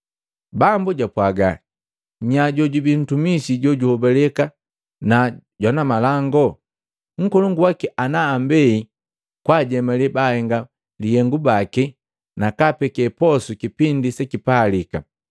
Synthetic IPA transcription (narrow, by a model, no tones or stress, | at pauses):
bambuɟapwaɡa | ɲaɟɔɟubin̩tumisiɟɔɟuhɔbɛlɛka | naɟɔnamalaŋɡɔ | ŋ̩kɔlɔŋɡuwakiʔanaːmbɛi | kwaɟɛmalɛbahɛŋɡa | lihɛŋɡubaki | nakapɛkɛpɔsukipindisɛkipaːlika̰